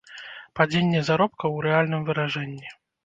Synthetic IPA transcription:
pad͡zʲenʲːɛzaɾɔp̚kɐwɾɛalʲnɨmvɨɾaʐɛnʲːi

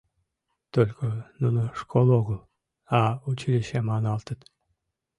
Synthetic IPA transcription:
t̪olʲkonunoʂkʰolˠoɣəlˠ | ɑut͡ɕilʲiɕemɑnɑlˠt̪ət̪

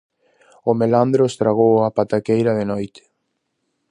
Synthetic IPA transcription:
ʊmeland̪ɾost̪ɾaɣ̞owapat̪akejɾɐðenɔjt̪ɪ̥

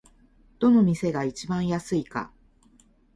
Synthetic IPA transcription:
d̪̥o̞no̞mʲise̞ɡait͡ɕibãɰ̃jasɨika̰

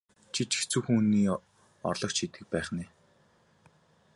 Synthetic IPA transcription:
t͡ɕʰit͡ɕʰi̥xt͡suːxuːniː | ɔ̰rɮɞ̆k̚t͡ɕʰit̪ɘ̆k̚pæːχniː

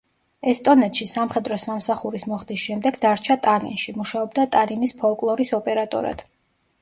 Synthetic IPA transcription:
ɛst̪ʼɔnɛt̪ʃisamχɛd̪ɾɔsamsaχuɾismɔχd̪isʃɛmd̪ɛɡd̪aɾt͡ʃʰat̪ʼalḭnʃimuʃaɔbd̪at̪ʼalinispʰɔlˠkʼlˠɔɾisɔpʼɛɾat̪ʼɔ̰ɾa̰d̪̥

